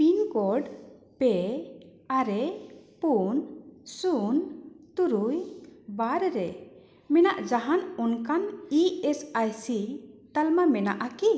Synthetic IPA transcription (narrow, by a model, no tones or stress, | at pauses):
pinkɔɾɖ | pɛ | aɾɛpunsunt̪uɾujbaɾɾɛ | mɛnaʔd͡ʒaɦanɔnkaniɛsajsit̪almamɛna̰ʔaki